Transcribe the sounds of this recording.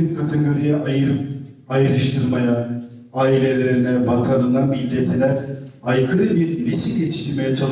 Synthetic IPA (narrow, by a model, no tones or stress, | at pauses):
inkʰat̪ʰeɡoɾijaɯajɯɾɯʃt̪ʰɯɾmaja | aːilʲe̞lʲeeɾinɛbakʰaːnɯnd̪anbilʲd̪ɛt̪ʰed̪ɛɾajkʰɯɾɯbiɾlʲisiɟet͡ʃ̪ʰi̥ʃt̪ʰiɾme̞jɛt͡ʃʰalˠ